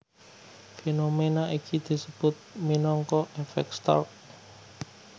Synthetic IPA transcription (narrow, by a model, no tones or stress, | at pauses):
fenomenaʔikʰid̪̥i̤səb̥ʊt̪̚minɔŋkɔʔefɛ̰k̚st̪ɔ̰rk̚